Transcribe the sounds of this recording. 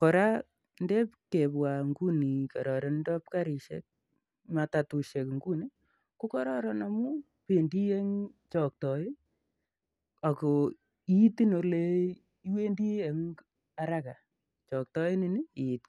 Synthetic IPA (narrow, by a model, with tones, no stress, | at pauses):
kɔ˨ɾa˦ | nde˦pke˨pwa˨ŋɡu˦ni˨ka˨ɾɔ˨ɾɔ˦ndɔ˦p̚ka˦ɾi˨ʃḛ˦k̚ | ma˨ta˨tu˨ʃe˨kŋɡu˦ni˦ | ku˦kɔ˦ɾɔ˦ɾɔ˨na˨mu˦ | pe˨ndi˦je˦ŋt͡ʃɔ˨k̚tɔ˨ɪ˦ | a˨kɔ˨ | i˦ti˦no˨le˦ | i˦we˦ndi˦e˨ŋ | a˨ɾaka˨ | t͡ʃɔ˨k̚tɔ˦ɪ˦nini˦i˨t̚